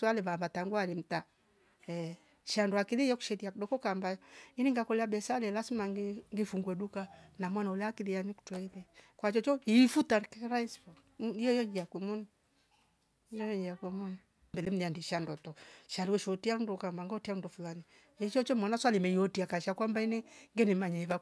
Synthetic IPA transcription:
swalɛβaβataŋɡwalim̩ta | ɛ | ʃandɔakilijɔku̥ʃɛtiakdɔkɔkambainiŋɡakɔlɛabɛsalɛlasimaŋɡŋɡifuŋɡwɛdukanamwanaulɛakilijaɲiku̥twɛilɛkwat͡ʃɔt͡ʃɔifutaɾkɛɾaispɔ | ijɔjɔɲd͡ʒiakwɛmɔni | jɔjɔɲd͡ʒiakwɛmɔni | mbɛlɛm̩niandiʃandɔtɔʃaliwɛʃɔtiandɔkambaŋɡɔtian̩ndɔfulani | it͡ʃɔt͡ʃɔmɔnaswalimɛjɔtiakaʃakwambainɛŋɡɛnɛmaɲɛβa

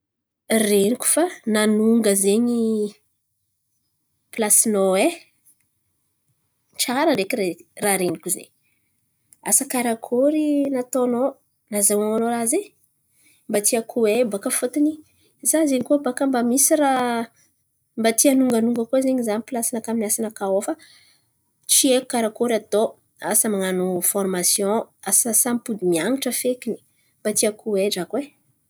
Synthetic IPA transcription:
reniku̥fananuŋɡəzeɲi | plasinoe | ʈ͡ʂaɾəɾekireraɾenikuzḛɲ | a̰sakaɾakʰoɾinat̪ono | nazaaanoɾaze | mbat̪iakʰuwebakəfot̪ini | zazeɲkubakəmbamisiɾa | mbat̪ianuŋɡanuŋɡəkozeɲizanipilasanakaminasanakaofə | t͡ʃieku̥kaɾakoɾat̪o | a̰səmaŋanufɔrmasjõasasampud̪imiaŋiʈ͡ʂəfekini̥ | mbat̪iakʰuweɖ͡ʐakwe

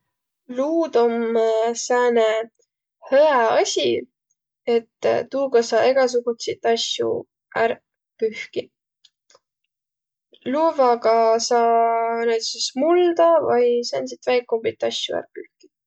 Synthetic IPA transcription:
luːd̪omsæːne | høæɑsʲi | e̞t̪ːt̪ːuːɡ̥ɑsɑːe̞ɡ̥ɑs̬uɡ̥ut̪sit̪ːˑɑsjṵ | æɾ | pyhki | luːvɑɡɑsɑːnæjt̪sismuld̪ɑvɑjsænsit̪væjkːombit̪ˑːɑsʲjuæ̰ɾpyhki̥

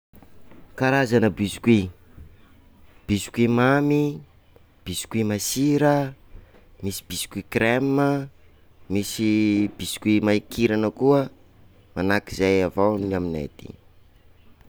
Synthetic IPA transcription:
kaɾazanəbisi̥kwi | b̥isi̥kwimami | b̥isi̥kimasiɾə | misi̥b̥isi̥kikremːə | misib̥isi̥kwimaikiɾanəkuə | manakizajavawniaminḛd̪̥ḭ

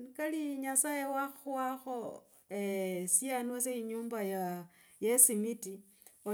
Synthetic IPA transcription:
kaliɲasajewaxwaxo̞ | esianwas̬eiɲuːmbajajesimiti | o

